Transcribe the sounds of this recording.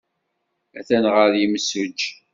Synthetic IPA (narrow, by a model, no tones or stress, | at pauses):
æθænʁəɾjimsʊd͡ʒ